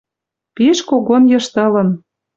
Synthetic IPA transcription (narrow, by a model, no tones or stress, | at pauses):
piʃkoɣonjɤ̆ʃt̪ɤ̆lɤ̆n